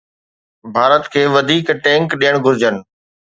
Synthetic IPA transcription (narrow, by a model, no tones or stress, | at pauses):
bʱaːɾət̪kʰeːʋɐd̪ʱiːkʈɛ̃ːŋkɗijəɽ̃ɡʱʊɾɪd͡ʑənɪ̆